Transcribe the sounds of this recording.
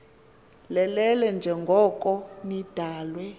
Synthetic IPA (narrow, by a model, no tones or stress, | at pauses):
lɛlɛlɛnd͡ʒʱɛŋɡʱɔkʼɔnid̥ʱaːlwɛ